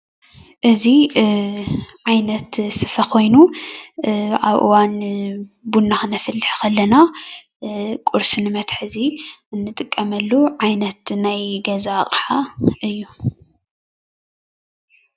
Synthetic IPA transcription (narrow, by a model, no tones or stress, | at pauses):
ʔɨzi | ʕajnɐt̪sɨfɐkʰo̞jnu | ʔaβʔɨ̰wan | bunːaxɨnɐfɨlːɨħkɐlːɐna | kʼuɾsinɨmɐt̪ħɨziɨnːɨt̪ʼɨkʼːɐmɐlːuʕajnɐt̪najɡɐzaχʼħaʔɨjːu